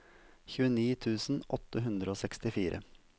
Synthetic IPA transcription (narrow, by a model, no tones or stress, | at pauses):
çʉːəniːt̪ʰʉːsn̩ʔɔt̪əɦʉnd̪ɾəoːsɛkst̪ɪfiːɾʔə̰